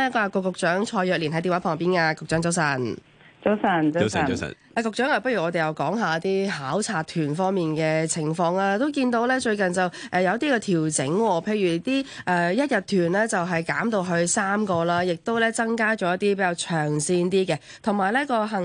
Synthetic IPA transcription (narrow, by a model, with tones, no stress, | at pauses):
ɛ˥kɔ˧a˨˧kɔː˧kʊ˨˧k̚t͡ʃœː˨˥ŋt͡ʃʰɔː˧jœː˧k̚liː˨˩nɦɐ˨˥t̪i˧˩waː˨˧˥pʰɔː˨˩ŋpiː˥nkaː˧kʊ˨k̚t͡ʃœː˨˥ŋt͡sɐ˨˥wsɐ˨˩n | t͡so˥wsɐ˨˧n˥s | aː˨˧kʊ˨˧k̚t͡ʃœː˨˥ŋa˨˧pɐ˥t̚ɥyː˨˩ŋɔː˨˧e˨jɐ˨˧wkɔː˨˥ŋɦaː˨t̪iː˥ɦaː˨˥wt͡sʰaː˧t̚t̪ʰyː˨˩nfɔː˥ŋmiː˨nkɛː˧t͡sʰɪ˨˩ŋfɔː˧ŋaː˧t̪o˥wkiː˧nt̪o˨˧wlɛː˥t͡ʃɵ˧ɥkɐ˨nt͡sɐ˨wʔɛː˨jɐ˨˧wt̪iː˥kɛː˧t̪ʰiː˨˩wt͡sɪ̰˨˥ŋwɔː˧pʰe˧jɥyː˨˩t̪iː˥ʔɛː˨˧jɐ˥t̚jɐ˨t̪ʰːyː˨˩nlɛː˥t͡sɐ˨wɦɐ˨jkaː˨˥mt̪o˧wɦɵ˧ɥsaː˥mkɔː˧laː˥jɪ˨k̚t̪o˥wlɛː˥t͡sɐ˥ŋkaː˥t͡ʃɔː˨˥jɐ˥t̪iː˥p̬e˨˥kaː˧wt͡ʃʰœː˨˩ŋsiː˧nt̪iː˥kɛː˧ | t̪ʰʊ˨˩ŋmaː˨˩jlɛ˥kɔː˧ɦɐ˨˩ŋ